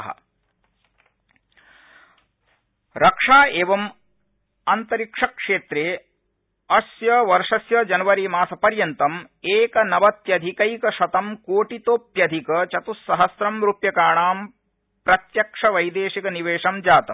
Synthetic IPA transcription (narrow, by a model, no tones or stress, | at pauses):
ɦɐ̰ | ɾɐkʂaːeːʋɐm | ant̪ɐɾikʂɐkʂeːt̪ɾeː | ɐsjɐʋɐɾʂɐsjɐd͡ʒɐnɐʋɐɾimaːsɐpɐɾjɐnt̪ɐm | eːkɐnɐʋɐt̪jɐd̪ʱikɐjkɐʃɐt̪ɐmkoːʈit̪oːpjɐd̪ʱikɐt͡ʃɐt̪usːɐɦɐsɾɐmɾupjɐkaːɳaːm | pɾɐt̪jɐkʂɐʋɐjd̪eːʃikɐniʋeːʂɐmd͡ʒaːt̪ɐ̰m